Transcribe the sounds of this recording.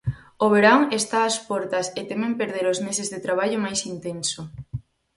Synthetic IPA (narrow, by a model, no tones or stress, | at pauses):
oβ̞eɾaŋest̪aːspɔɾt̪ɐset̪emẽmpeɾðeɾozmesezðet̪ɾaβ̞aʎʊmajsint̪ensʊ